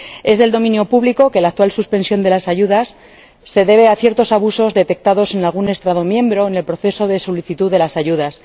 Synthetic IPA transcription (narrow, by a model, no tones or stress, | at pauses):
e̞zðe̞ld̪o̞mĩnjo̞puβliko̞ke̞lak̚t̪walsuspe̞nsjo̞nd̪e̞lasaʝuðasː | e̞ðe̞β̞e̞aθje̞ɾt̪o̞saβuso̞zðe̞t̪e̞k̚t̪aðo̞se̞nalɣune̞st̪ɾaðo̞mjẽ̞mbɾo̞ene̞lpɾoθe̞so̞ð̞e̞so̞liθit̪uðe̞lasaʝuðas